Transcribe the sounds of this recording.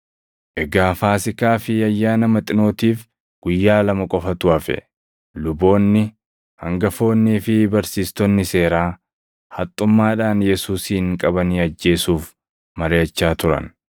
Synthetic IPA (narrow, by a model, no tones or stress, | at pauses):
ʔɛɡaːfaːsɪkaːfɪɐjːaːnɐmɐt̪ʼɪno̞ːt̪iːf | ɡ̥ʊjːaːlɐmɐkʼɔfɐt̪ʊɐfɛ̰ | lʊbo̞ːnːɪ | hɐ̰ŋɡɐfo̞ːnːiːfɪbɐɾsiːst̪ɔnːɪse̞ːɾaː | hɐt̪ʼːʊmːaːᶑaːnjɛsuːsiːŋkʼɐbɐniːɐd͡ʒːe̞ːsuːf | mɐɾejɐt͡ʃːaːt̪ʊɾɐ̰n